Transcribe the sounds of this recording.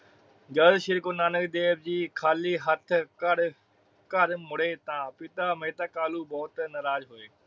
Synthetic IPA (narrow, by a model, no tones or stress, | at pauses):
ɡəlʃɪɾkonaːnəkd̪eːbd͡ʒiːkʰaːliːɦət̪ʰkəɽ | kəɾmʊɽeːt̪ãːpɪt̪aːmeːt̪aːkaːluːbɔːt̪nəɾaːd͡ʒɦoeː